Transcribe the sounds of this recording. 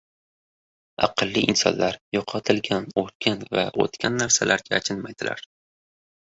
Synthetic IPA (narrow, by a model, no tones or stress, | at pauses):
ɑ̰qʰɨlˠːɪʔɪnsɒ̰nlaɾjoqʰɑt̪ʰɪlɡʲanot̪̚kʲanva̰o̰t̪kʲʰanːaɾsalʔaɾɡʲaːt͡ʃʰɪnmajd̪̥ɪlʔa̰ɾ